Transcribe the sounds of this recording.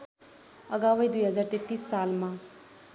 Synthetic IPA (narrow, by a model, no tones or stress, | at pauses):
əɡawəjd̪ujɦʌd͡zaːɾt̪et̪ːiːsːaːlmã